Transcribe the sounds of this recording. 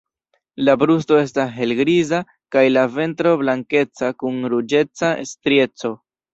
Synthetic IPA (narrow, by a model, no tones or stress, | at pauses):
labɾusto̞e̞s̬tasɦe̞lɡɾiza | kajlave̞ntɾo̞blaŋke̞t͡sakunɾud͡ʒe̞t͡saestɾje̞t͡so̞